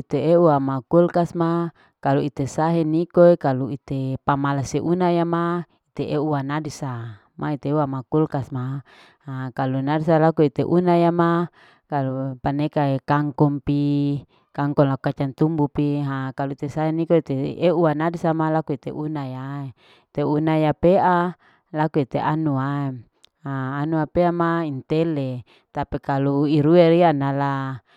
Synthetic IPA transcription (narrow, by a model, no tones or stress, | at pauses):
it̪eeuamakulkasma | kaluit̪esaɦenikoekaluit̪epamalaseʔunajama | it̪eʔeuanadisa | mait̪euamakulkasma | hakalunadisalakuit̪eʔunajama | kalupanekaekaŋkɔmpi | kaŋkɔnlakukat͡ʃant̪umbupiɦakalut̪esaenikoit̪eeuanadisamalakuit̪eʔunajae | t̪eunajapeʔa | lakuit̪eʔanuae | aːnuapeamaint̪ele | t̪apikaluiɾueɾianala